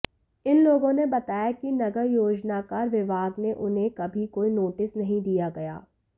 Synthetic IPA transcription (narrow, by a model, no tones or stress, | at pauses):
ɪnloːɡõnebɐt̪aːjakinɐɡəɾjoːd͡ʒnakaːɾʋɪbʱaːɡneʔʊnɦẽkɐbʱikoːinoːʈɪsnɐɦĩd̪ijaɡɐja̰ː